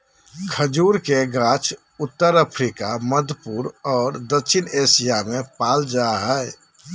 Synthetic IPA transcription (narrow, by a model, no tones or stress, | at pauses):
kʰəd͡ʒuɾkeɡat͡ʃʰ | ut̪ːəɾəpʰɾikaməd̪ʱpuɾɔːɾd̪əkːʃʰinesijamepald͡ʒaɦəɛ